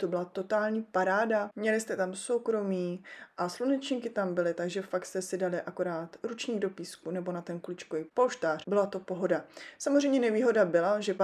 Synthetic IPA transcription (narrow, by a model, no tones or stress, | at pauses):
t̪obɪlat̪o̞t̪aːlɲiːpaɾaːdamɲɛlɪst̪ɛt̪amso̞wkɾo̞miːʔaslunɛt͡ʃɲiːkɪt̪ambɪlɪt̪aɡʒɛfakst̪ɛsɪdalɪʔako̞ɾaːt̪ɾut͡ʃɲiːɡdo̞piːskunɛbo̞nat̪ɛnklɪt͡ʃkovipoʃt̪aːr̝̥bɪlat̪o̞po̞ɦo̞dasamozr̝ɛjmɲɛnɛviːɦo̞dabɪlaʒɛ